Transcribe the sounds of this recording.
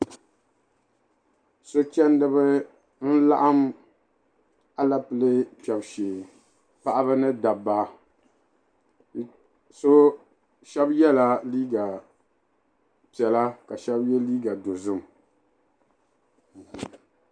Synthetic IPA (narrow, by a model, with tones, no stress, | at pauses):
so˦t͡ʃɛ˦ndɨ˦bɨ˦ | n̩˦la̰˦ʔa˦m | a˨la˦pɨ˨lɨ˦pɛ˨bʃeː˨ | pa˦ʔa˦bɨ˦nɨ˦da˨ba˨ | so˦ | ʃɛ˦bjɛ˦la˨liː˦ɡa˨ | pi˨ɛ˨la˦ka˨ʃɛ˦bjɛ˦liː˦ɡa˨do˨zɨ˦m˨